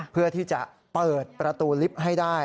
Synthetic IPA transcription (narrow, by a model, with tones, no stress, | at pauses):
pʰɯ˥˩ɐt̪ʰiː˥˩t͡ɕa˨˩ʔ | pɤː˨˩t̪̚pɾa˧t̪uː˧li˦˥p̚ɦa˥˩jdaː˥˩